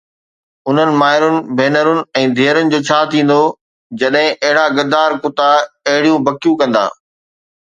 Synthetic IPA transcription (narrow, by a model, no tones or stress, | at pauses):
ʊn̤ənɪ̆maːɦɪɾʊnɪ̆bʱeːnəɾʊnɪ̆ɛ̃ːd̪ʱeːəɾənɪ̆d͡ʑoːt͡ɕʰaːt̪ʰĩːn̆d̪o | d͡ʑɐɗɦɪ̃ʔɐɦɪɽaɡɐd̪aːɾkʊt̪aɐɦɪɽijũbɐkijũkɐ̃nd̪a̰ː